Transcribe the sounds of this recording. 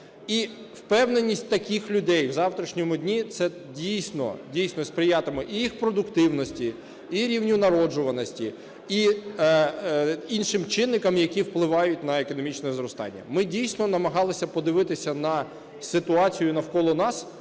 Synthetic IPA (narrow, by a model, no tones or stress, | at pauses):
iwpɛwnenʲːisʲt̚ʲt̪ɐkʲixlʲʊd̪ɛjwzɑwt̪ɾʲiʃnʲɔmʊdʲnʲit̪sɛ | dʲijsʲnɔ̰dʲijsʲnɔspɾɪjɑt̪ɪmɪʔijixpɾɔd̪ʊkt̪ɪwnɔsʲtʲi | iɾʲiwnʲʊnɐɾɔd͡ʒʊʋɐnɔsʲtʲi | i | inʃɪmt͡ʃɪnːɪkɐmjɐkʲiwplˠɪʋɑjʊtʲn̪ɐekɔnɔmʲit͡ʃnɛzrɔst̪ɑ̰nʲːɐ̰mɪdʲijsʲnɔnɐmɐɦɑlˠɪsʲɐpɔd̪ɪʋɪt̪ɪsʲɐnɐ | sɪt̪ʊɑt͡sʲijʊnɐwkɔlˠɔnɑs